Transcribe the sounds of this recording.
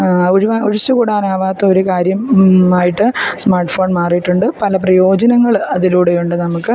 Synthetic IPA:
oɾuʋauɾit͡ɕːukuːɽaːnaːʋaːt̪ːɐoɾukaːɾjɐmaːjiʈːɨsmaːrʈfo̞ːnmaːrijiʈːuɳɖɨpɐlɐprɐjo̞ːd͡ʑɐnɐŋːɐɭɐðiluːɽejuɳɖɨnɐmukːɨ

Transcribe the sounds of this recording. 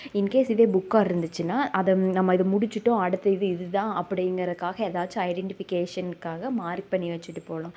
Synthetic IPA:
ɪnkeːsɪðeːbʊkːaːɪɾɯnd̪ɯt͡ʃːɯnːaːʔɐðɛnɐmːɐɪðɯmʊɽɪt͡ʃːɯʈːõɐɽɯt̪ːɐɪðɯɪðɯt̪ãːʔɐpːɐɽɐjɪŋɡɐɾɐðɯkːaːɣɐɛðaːt͡ʃːɯ̃ɐɪɖɛɳʈɪfɪkeːʂɐnkaːɣɐmaːɾk̚pɐɳːiʋɐt͡ʃːɯʈːɯpoːlʊ̃

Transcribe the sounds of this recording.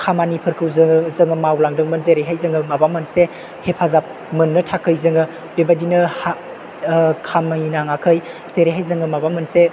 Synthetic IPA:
kʰamanipʰɯɾkʰɯwzzɯŋɯmawlaŋdɯŋmɯnzeɾejɦajzɯŋɯmabamɯnse | hepʰazap̚ | mɯnːɯtʰakʰɯjzɯŋɯ | b̥ebadinɯha | kʰamnaŋakʰɯj | z̥eɾeɦajzɯŋɯmabamɯnse

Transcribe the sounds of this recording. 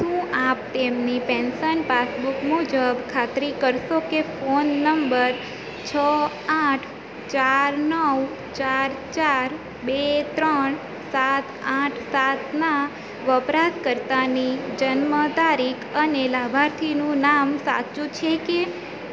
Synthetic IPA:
ʃũap̚t̪emnipɛnsənpasbukmud͡ʒəbkʰat̪ɾikəɾʃokefonːəmbəɾ | t͡ʃʰə | aʈʰ | t͡ʃaɾnəw | t͡ʃaɾt͡ʃaɾ | bet̪ɾəɳ | sat̪ʰãʈʰsat̪na | ʋəpɾaskəɾt̪anid͡ʒənmət̪aɾikʰənelabʱaɾt̪ʰinũnamsa̰t͡ʃũt͡ʃʰeke

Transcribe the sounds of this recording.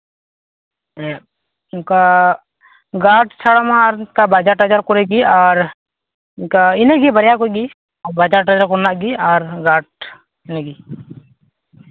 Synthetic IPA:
ka | ɡaːʈt͡ʃʰaɽamaɾkabaːd͡ʒaɾʈəd͡ʒaɾkɔɾeɡiaːɾ | kaɪneɡibəɾjakoɡi | ɔbaːd͡ʒaːɾʈəd͡ʒaɾkɔɾnaʔɡiaːɾɡaːʈ̚ | ɪneɡi

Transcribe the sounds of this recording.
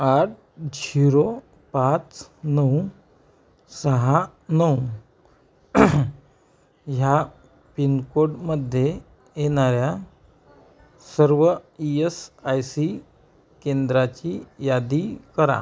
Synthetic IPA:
aʈ̚ | d͡ʑiɾo | pat͡snəu | səɦa | nəwu | ɦja | pinkoɽməd̪ʱje | jeɽaɾja | səɾʋəiesajsi | kend̪ɾat͡ɕijad̪ikəɾa̰

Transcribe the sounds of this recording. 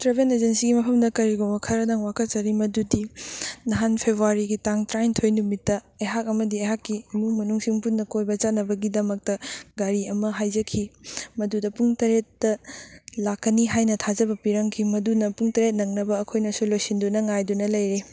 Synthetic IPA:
tɾebened͡ʒensiɡimɐpʰɐmdɐkɐɾiɡoŋbɐkʰɐɾɐdaŋwakʰɐt̚t͡ʃɐɾimɐdudinɐɦanpʰebʱɾuaɾiɡitaŋtɾajntʰojnumitːɐeɦakɐmɐdieɦakːimumɐnuŋsiŋpunːɐkojbɐd͡ʒanɐbɐɡidɐmɐk̚tɐɡaɾiɐmɐɦajzɐkʰimɐdudɐpuŋtɐɾetːɐlakːɐniɦajnɐtʰazɐbɐpiɾɐŋkʰimɐdunɐpuŋtɐɾet̚nɐŋnɐbɐːkʰojnɐsulojsindunɐŋajdunɐlɐjɾi

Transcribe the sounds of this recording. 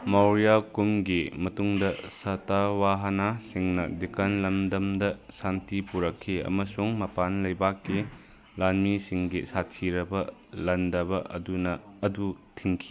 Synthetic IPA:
mawɾijakumɡimɐtuŋdɐsɐtawaɦɐnasiŋnɐ̰dikanlɐmdɐmdɐsantipuɾɐkʰːiɐ̰mɐsuŋmɐpanlɐjbakːi | lanmisiŋɡisatʰiɾɐbɐlɐndɐbɐdunɐːdutʰiŋkʰi̥

